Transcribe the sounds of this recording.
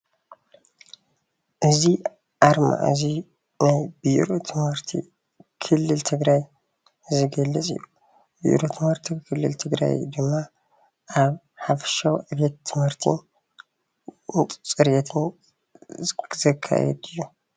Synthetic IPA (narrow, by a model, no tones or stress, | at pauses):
ʔɨzi | ʔaɾma̰ʔzi | najbiʔɾot̪ʰɨmhɨɾt̪ʰḭ | kʰɨlːɨlt̪ʰɨɡɾaj | zɨɡɐlːɨt͡sʼɨ̰jːu | bḭʔɾot̪ʰɨmhɨɾt̪ʰikʰɨlːɨ̰lt̪ʰɨɡɾa̰jd̪ɨmːa | ʔaβ | ħafɐ̥ʃawʔβet̪ʰːɨmhɨɾt̪ʰḭn | tʼt͡sʼɨɾjɛt̪ʰɨn | zɐkʰːa̰jɛ̰d̪ɨjːu